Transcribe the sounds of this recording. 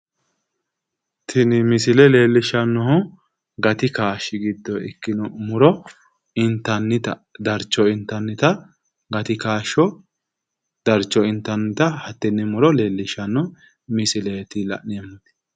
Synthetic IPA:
t̪ʰɪnɪmɪsɪlɛle̞ːlːɪʃɐnːɔhʊ | ɡɐt̪ɪkaːʃːɪɡɪd̪ːɔɪ̰kːɪnɔmʊɾɔ | ɪnt̪ːɐnːɪt̪ɐd̪ɐɾt͡ʃːɔɪnt̪ːɐnːɪt̪ɐ | ɡɐt̪ɪkaːʃːɔ | d̪̥ɐɾt͡ʃːɔɪnt̪ːɐnːɪt̪ɐhɐt̪ːɛnːɪmʊɾɔle̞ːlːɪʃɐnːɔ | mɪsɪlet̪ɪlɐ̰ʔnɪɛmːɐd̪ɛ̥

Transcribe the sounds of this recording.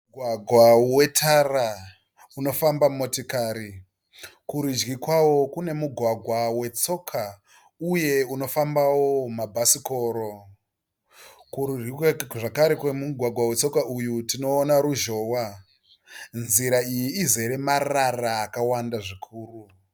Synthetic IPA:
ɡʱwaɡʱwawe̞tʰara | uno̞fambamo̞tikaɾi | kuɾud͡ʒɡikwawo̞kune̞muɡʱwaɡʱwawe̞t͡so̞kʰa | uje̞uno̞fambawo̞mabʱasiko̞ːɾo̞ | kuruikaʐakaɾekwemuɡʱwaɡʱwawe̞t͡so̞kaʔujutino̞ːnaɾuʒo̞ːwa | nziɾaijiːze̞ɾe̞mararaːkawandaʐikʰuːru

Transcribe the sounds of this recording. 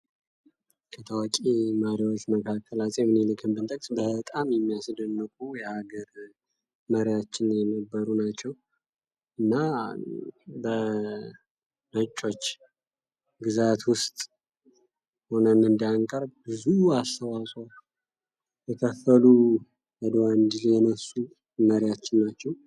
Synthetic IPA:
kʰət̪ʰəwakʼeməɾiwo̞t͡ʃːməkʰakʰːəlasʼemɨnelɨkʰɨmbɨnt̪ʼəkʼsʼbət̪ʼamjɛmːijasd̪ənːɨkʼujɛhaɡəɾ | məɾjat͡ʃːɪnjɛnəbːəɾunat͡ʃːɛw | ɨnːa | bə | nət͡ʃʼːo̞t͡ʃː | ɡɨzat̪wʊst̪ʼ | ho̞nənɨnd̪iaŋkʼəɾbɨzuast̪ʰəwasʼwa | jɛkʰəfːəlu | jəd̪owand̪iljɛnəsːu | məɾɪjat͡ʃːɪnːat͡ʃːɛw

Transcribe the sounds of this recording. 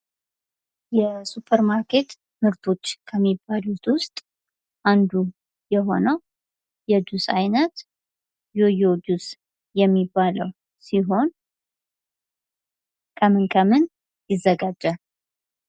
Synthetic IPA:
jɛsupʰəɾmaɾkʰe̞t̪ | mɨɾt̪ʰo̞t͡ʃːkʰəmːibːalut̪ʼwʊst̪ʼ | ʔand̪u | jɛɦo̞nəw | jɛd̪usa̰jnət̪ | jojo̞d̪us | jɛmːibːaləw | siɦo̞n | kʰəmɨnkʰəmɨn | jɪzːəɡad͡ʒːə

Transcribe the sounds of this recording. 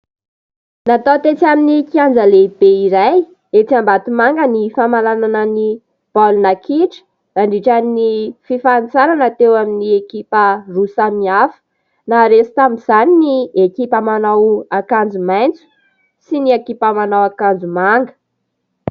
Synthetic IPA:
nat̪at̪et͡siaminikiand͡zəleb̥eiɾaj | et͡sambat̪imaŋɡənifamalananəni | b̥alunakiʈ͡ʂə̥ | aɳɖ͡ʐiʈ͡ʂaninififant͡saɾanat̪ewaminiekipərusamiafə̥ | naɾesi̥t̪amiz̥aniniekipəmanawakand͡zumajnt͡su̥ | siniakipəmanawakand͡zumaŋɡə̥

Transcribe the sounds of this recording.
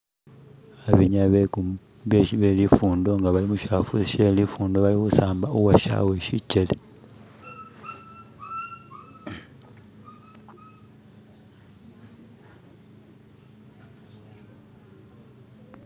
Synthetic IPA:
aβiɲaβeku | βeβelifuːndo̞ŋɡaβalimuʃafusʃelifuːndo̞βalikusaːmbauwaʃa̰weʃit͡ʃːele

